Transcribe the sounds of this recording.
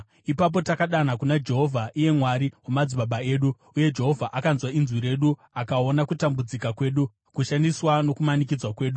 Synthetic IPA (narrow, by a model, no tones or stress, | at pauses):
ipap̬o̞takaɗanakunad͡ʒe̞ɦo̞vʱaʔije̞mwaɾiwamad͡ziɓaɓae̞ːɗu | uje̞d͡ʒe̞ɦo̞vʱaʔakanzwainzwiɾe̞ɗu | akao̞nakutambud͡zikakwe̞ːɗu | kuʃandiswano̞kumanik̬id͡zwakwe̞ːɗu